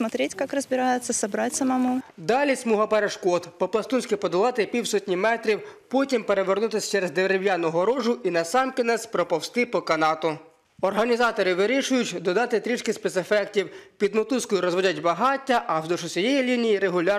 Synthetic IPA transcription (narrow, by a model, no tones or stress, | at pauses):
mɐt̪ɾʲitʲkɑkrɐzbʲɪɾɑjɪt̪sʲːɐsɐbɾɑtʲsɐmɐmud̪ɑlʲisʲmuɦɐpɛɾeʃkɔd̪pɔplˠɐst̪unʲsʲkʲɪpɔd̪ɔlˠɑt̪ɪpʲiwsɔtʲnʲimɛt̪ɾʲiwpɔtʲimpeɾe̞ʋernut̪ɪsʲt͡ʃeɾezd̪eɾewʲjanɔɦɔɾɔʒʊʔinɐsɑmkɪnɛsʲpɾɔpɔwst̪ɪpɔkɐnɑt̪ʊ | ɔrɦɐnʲizɑt̪ɔɾɪʋɪɾʲiʃʊjʊtʲd̪ɔd̪ɑt̪ɪt̪ɾʲit͡ʃkɪspet̪sefɛktʲiwpʲid̪mɔt̪uskɔjʊɾɔzʋɔdʲɐtʲbɐɦɑtʲːɐʔɐwd̪ɔʃʊsʲɔjɛjilʲinʲijiɾeɦʊlʲɑr